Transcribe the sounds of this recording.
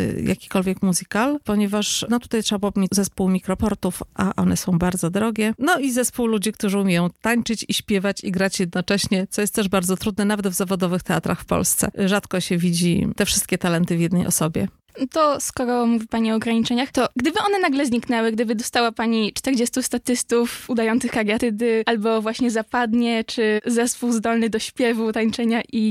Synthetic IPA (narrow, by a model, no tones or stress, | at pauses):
ja̰kʲi̥kɔlvʲjɛkmuzɘkalpɔɲɛvaʂnɔt̪u̥t̪ajt̪ʂɛbabmʲizɛspuwmʲikɾɔpɔɾt̪ufʔa̰ʔɔ̰nɛsɔ̃w̃baɾd̪zɔd̪ɾɔɡʲɛnɔizɛspuwlud͡ʑikt̪uʐɘumʲjejɔ̃w̃t̪aɲt͡ʂɘt͡ɕiɕpʲjɛvat͡ɕiɡɾat͡ɕjɛd̪̚nɔt͡ʂɛɕɲɛt̪sɔjɛst̪t̪ːɛʐbaɾdzɔt̪ɾud̪nɛnavɛd̪vzavɔd̪ɔvɘxt̪ɛat̪ɾa̰xfpɔ̰lst̪sɛ̰ʐat̪kɔɕɛvʲid͡ʑḭt̪ɛfʂɘst̪̚kʲɛt̪alɛnt̪ɘvjɛd̪nɛjʔɔ̰sɔbʲjɛ̰ | t̪ɔskɔɾɔmuvʲipaɲiɔːɡɾaɲit͡ʂɛɲaxt̪ɔɡd̪ɘbɘɔnɛnaɡlɛzɲiknɛwɘɡd̪ɘbɘd̪ɔst̪awapaɲit͡ʂt̪ɛɾd͡ʑest̪ust̪at̪ɘst̪ufud̪ajɔnt̪sɨxkaɾjat̪ɘd̪ɘalbɔvwaɕɲɛzapad̪ɲɛt͡ʂɘzɛspuwzd̪ɔlnɘd̪ɔɕpʲjɛvut̪aɲt͡ʂɛɲaʔi